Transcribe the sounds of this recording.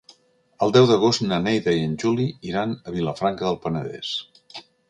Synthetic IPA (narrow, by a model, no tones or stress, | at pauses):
əlˠd̪ɛwðəɣ̞ostnənɛjðəiənʲʒuliiɾanəβiləfɾaŋkəðəlˠpənəðɛ̰s